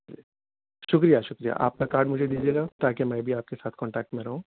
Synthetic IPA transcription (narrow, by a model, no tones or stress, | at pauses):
ʃʊkɾijaʃʊkɾija̰ʔa̰ːp̚kakaːɾɖmʊd͡ʒʱed̪iːd͡ʒieːɡat̪aːkemɛ̃ːbʱiaːp̚kesaːt̪ʰkɔ̃ːɳʈɛːk̚ʈmẽɾɐɦũː